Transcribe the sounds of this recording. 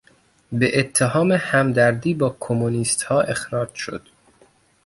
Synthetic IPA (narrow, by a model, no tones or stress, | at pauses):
beʔet̪ʰːeɦɒːmehæmd̪æɾd̪iːbɒːkʰomuniːst̪hɒːʔe̞xɾɒːd͡ʒʃo̞̰d̪̥